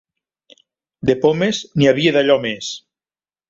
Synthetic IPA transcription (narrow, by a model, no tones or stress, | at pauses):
d̪epomezniaβieðaʎɔmes